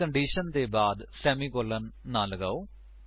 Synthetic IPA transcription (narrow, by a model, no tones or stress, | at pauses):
əɳɖiːʃənd̪eːbaːd̪sɛːmiːkoːlənːaːlɡaːoː